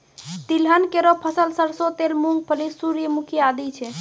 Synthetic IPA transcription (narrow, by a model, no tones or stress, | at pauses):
t̪ilɦənkeɾopʰəsəlsəlsot̪elmuŋɡ̚pʰəlisuɾjəmukʰiad̪it͡ʃʰɛ